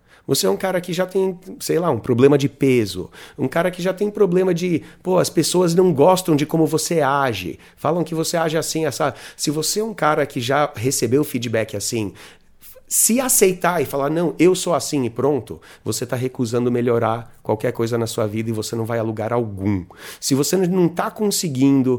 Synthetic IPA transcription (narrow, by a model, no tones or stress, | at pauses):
voseɛũkaɾɐkɪʒat̪ẽj̃sejlaũpɾoblẽmɐd͡ʒɪpezʊ̰ṵ̃kaɾɐkɪʒat̪ẽj̃pɾoblẽmɐd͡ʒɪpoɐspesoɐznɐ̃w̃ɡɔst̪ɐ̃w̃d͡ʒɪkõmʊvoseaʒɪ̰ | falɐ̃w̃kɪvoseaʒɪasĩasasɪvoseɛũkaɾɐkɪʒaɦesebewfid͡ʒibɛkɪasĩ | sɪasejt̪aɾɪfalaɾnɐ̃w̃ewsowasĩɪpɾõnt̪ʊ | voset̪aɦekuzɐ̃nd̪ʊmeʎoɾaɾkwawkɛɾkojzɐnɐsuɐvid̪ɐɪvosenɐ̃w̃vajaluɡaɾawɡũsɪvosenɐ̃w̃t̪akõsɪɡĩnd̪ʊ